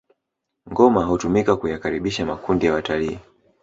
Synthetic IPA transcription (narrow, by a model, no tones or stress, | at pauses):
ŋɡɔmaɦutumikakujakaɾiɓiʃamakundijawataliː